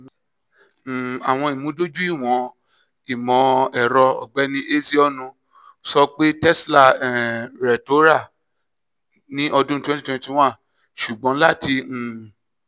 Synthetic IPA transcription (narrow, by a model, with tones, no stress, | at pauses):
a˨w̃ɔ̃˧i˨mũ˨˦do˦d͡ʒu˦i˦˨w̃ɔ̃˨˦ | i˨mɔ̃˨˦ɛ˨ɾɔ˧ɔ̰˨ɡ͡bɛ˨˦nĩ˦ʔe˦zi˦ɔ˦˨nũ˧ | sɔ˧k͡pe˦tɛ˦sla˦˨ɛ˨ɾɛ˨to˨˦ɾa˦˨ | nĩ˦ʔɔ˧dũ˦tɛ̃˦ti˦tw̃ɛ̃˧˦ti˦˧w̃ã˦˨ | ʃu˨ɡ͡bɔ̃˨˦la˦˨tĩ˧˨